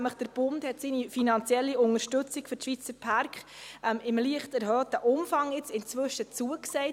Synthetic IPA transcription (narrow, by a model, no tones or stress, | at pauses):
mləχd̥əɾb̥ʊnthɛtsiːnifinɑnt͡sjɛlːiʊŋəʃtɵt͡sikfʏɾʃʋit͡səɾpʰɑɾkχʔɛmɪmliəχtɛɾɦœːtəʔʊmfɑŋɪt͡sɪnt͡sʋʏʃət͡suəksɛɪ